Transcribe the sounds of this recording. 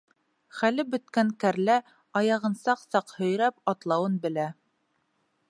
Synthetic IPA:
χælɘbɵ̆t̪̚kæŋkæɾlæ | ɑjɑʁɤ̆nsɑqsɑqhɵ̆jɾæpɑt̪lˠɑwɤnbɘ̆læ

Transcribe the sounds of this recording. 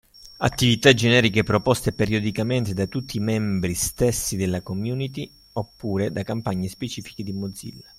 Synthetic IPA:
a̰t̪ːivit̪ad͡ʒɛnɛːɾikepɾɔpɔst̪epeɾjɔd̪ikament̪ed̪at̪ut̪ʰːimɛmbɾist̪esːid̪elːakomjuːnit̪̬i | opːuːɾed̪akampaɲːespet͡ʃiːfi̥k̟ed̪imod̪zḭlː

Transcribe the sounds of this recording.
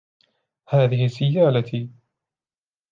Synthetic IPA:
haːðɪhɪsɪjːaːlat̪ʰi

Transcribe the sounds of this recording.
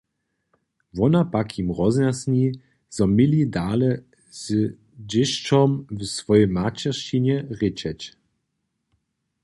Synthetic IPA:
vɔnapakʰimʁɔznasɲi | z̥ɔmʲilʲidaːlɛ | z̥ | d͡ʑɪʃt͡ʃɔmvsvɔjɛjmat͡ɕɛʃiɲɛʁɪt͡ɕɛt͡ɕ

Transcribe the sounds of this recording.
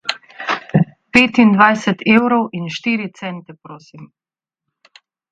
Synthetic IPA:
peːt̪ind̪ʋajsɛt̪ʰeːwɾɔwʔinʃt̪iːɾit̪sɛnt̪ɛpɾoːsim

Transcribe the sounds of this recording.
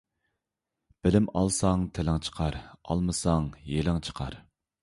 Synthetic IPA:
b̥ɪlɪmɑlˠsɑŋt̪ʰelɪŋt͡ʃʰə̥qʰɑɾɑ̰lˠmɨsɑŋjelɪŋt͡ʃʰə̥qʰɑ̰ɾ

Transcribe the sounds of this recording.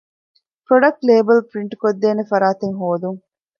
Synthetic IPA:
pɾoɖɐk̚ʈleːbɐlpɾiɳʈukod̪ːeːnefɐɾaːt̪eŋɦoːd̪uŋ

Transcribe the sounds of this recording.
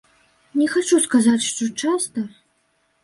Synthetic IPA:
nʲɛxat͡ʂuskazat͡sʲʂt̪ɔt͡ʂast̪ɐ

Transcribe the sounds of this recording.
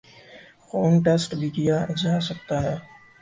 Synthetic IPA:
xoːnʈeːsʈbʱikijad͡ʒaːsɐkt̪aɦɛː

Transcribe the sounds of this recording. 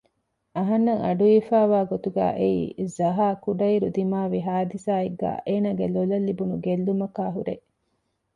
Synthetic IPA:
ɐɦɐnːɐŋʔɐɖuifaːʋaːɡot̪uɡæ̰ːʔeḭːzɐɦaːkuɖɐiɾud̪imaːʋiɦaːd̪isaːeɡːæ̰ːʔeːnaːɡelolɐlːibunuɡelːumɐkaːɦuɾḛ

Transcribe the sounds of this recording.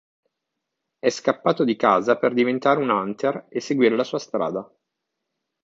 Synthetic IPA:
ɛskapːaːt̪od̪ikaːzaperd̪ivent̪aːɾeunant̪eresːeɡwiːɾelasuːast̪ɾa̰ːd̪a

